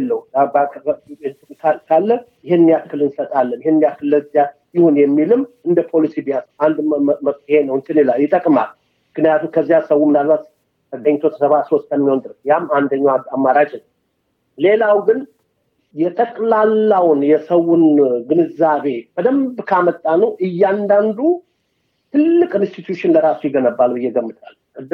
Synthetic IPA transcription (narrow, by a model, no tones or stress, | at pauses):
lːəb | t̪ʼkʰakʰalːəjɪɦeɨnːijakːɨlɨnsət̪ʼalːənjɪhenːijakːɨlːəzja | jɪho̞njɛmːilɨmɨnd̪əpʰo̞lisibiasand̪məkʼihenəwɨnt̪ɨnilajɪt̪ʼəkʼma̰l | mɨknijat̪ʰumkʰəzːjasəwumɨnd̪almat̪ | t̪ʰəɡəɲt̪ʰo̞t̪ʰə̥səβasost̪ʰəmːiho̞nd̪ɨɾɨsjamand̪əɲːawamːaɾad͡ʒnəw | le̞lawɡɨn | jɛt̪ʼəkʼlalːawʊnjɛsəwunɡɨnɨzaβe̞b̥əd̪əmbkʰamət̪ʼːanəwʔɨjːand̪and̪u | t̪ʰɨlːɨkʼɨnst̪it̪juʃɪnləɾasujɪɡənəbːalbɨjːɛɡəmːɨt̪ʼalkʼɨd̪ːɨ